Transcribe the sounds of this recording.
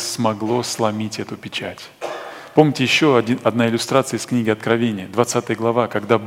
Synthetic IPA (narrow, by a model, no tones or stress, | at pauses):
smɐɡlˠo̞slˠɐmʲitʲɛt̪ʊpʲɪt͡ɕætʲ | pomnʲɪtʲɪjɪɕːoɐdʲiɐd̪naɪlʲʊst̪ɾat̪sɨjəɪsknʲiɡʲɪɐt̪̚kɾɐvʲenʲɪjəd̪vɐt̪sat̪ɨjəɡlˠɐvakɐɡd̪ab